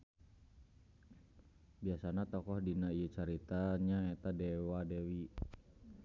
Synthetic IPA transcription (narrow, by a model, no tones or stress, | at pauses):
biasanat̪ɔkɔhdinaijət͡ʃaɾit̪aɲaɛt̪adɛwadɛwi